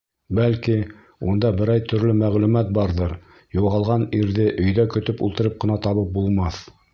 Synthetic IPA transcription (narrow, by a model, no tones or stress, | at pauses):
bælki | und̪ɑbɘ̆ɾɑjt̪ʰɵ̆ɾlɵmæʁlʉmæt̪̚bɑɾðɤɾ | juʁɑlˠʁɑniɾðɘʔɵ̆jðækɵ̆t̪ɵpṵlˠt̪ɤ̆ɾɤp̚qɤ̆nɑt̪ɑβɤp̚bulˠmɑθ